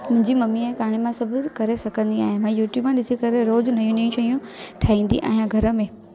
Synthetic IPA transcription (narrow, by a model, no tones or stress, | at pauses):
mʊ̃ɦɪ̃ɲd͡ʑimɐmiɛ̃kaːɽ̃emãsɐbʱʊkɐɾesɐɡʱə̃nd̪iaːɦemãjuːʈjuːbmãɗɪsikɐɾeɾoːd͡ʑnɐijũnijũʃɐijũʈʰaːĩːnd̪ḭʔa̰ːɦɪ̃jãɡʱɐɾə̆mẽː